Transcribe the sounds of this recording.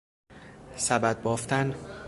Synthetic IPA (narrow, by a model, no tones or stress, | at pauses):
sæbæd̪̚bɒːft̪ʰæn